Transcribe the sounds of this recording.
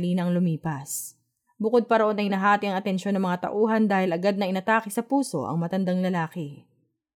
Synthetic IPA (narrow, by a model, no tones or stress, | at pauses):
liːnɐŋlʊmiːpɐs | bʊkod̪̚pɐɾoʔo̞nɐŋɪnɐɦaːt̪ɪɐŋɐt̪ɛnʃo̞nɐŋmɐŋat̪ɐ̰ʔuːɦɐnd̪aːhɪlʔɐɡad̪nɐɪnɐt̪aːkɪsɐpuːso̞̰ʔɐ̰ŋmɐt̪ɐnd̪aŋlɐlaːkɪ